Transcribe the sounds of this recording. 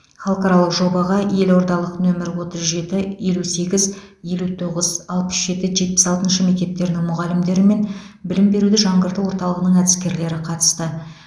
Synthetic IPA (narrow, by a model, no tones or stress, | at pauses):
χɑlˠqɑɾɑlˠəqʒo̞bɑʁɑje̞lwo̞ɾd̪ɑlˠəqnɵmɪɾwo̞t̪əzʒe̞t̪ɪje̞luse̞ɡʲɪzje̞lut̪ʰo̞ʁəzɑlˠpə̥sʒ̥e̞t̪ɪʒe̞t̪̚pɪ̥sɑlˠt̪ənʃəmek̚ʲt̪e̞p̚t̪e̞ɾd̪ɪŋmʊʁɑlɪmd̪e̞ɾɪme̞n | bɪlɪmbe̞ɾud̪ɪʒɑɴʁəɾt̪əwo̞ɾt̪ɑlˠəʁənəɴæd̪ɪskʲe̞ɾle̞ɾɪqʰɑt̪ə̥st̪ə